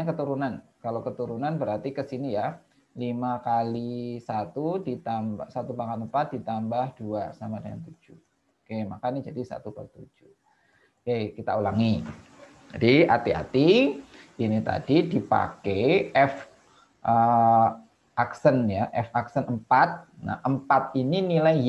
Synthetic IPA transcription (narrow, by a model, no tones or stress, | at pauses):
akət̪uɾunankalakət̪uɾunanbəɾart̪ikəsinija | limakalisat̪udit̪ambasat̪upakanəmpat̪̚dit̪ambahd̥uasamadəŋa̰nt̪ud͡ʒu | kemakanid͡ʒadisa̰t̪ukə̰lt̪ud͡ʒu | kejkit̪aulaŋi | d͡ʒadiat̪ia̰t̪iʔinit̪a̰didipa̰keɛf | ʔə | ʔaksənjaʔɛfaksənəmpat̪̚na̰ʔəmpat̪̚ininilaj